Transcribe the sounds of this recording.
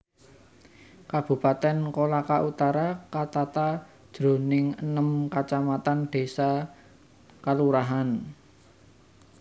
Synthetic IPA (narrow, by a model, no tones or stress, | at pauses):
kab̥ṳpat̪ɛnkolakaʔut̪aɾakat̪at̪ad̥ʒ̥ɾo̤nɪŋənəmkat͡ʃamat̪anɖ̥e̤sa | kaluɾaɦan